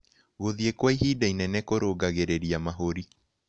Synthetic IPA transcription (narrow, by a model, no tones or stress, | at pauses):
ɣoðiekwaiɦiːdainɛnɛkoɾoːɡaɣeɾeɾiamaɦoɾi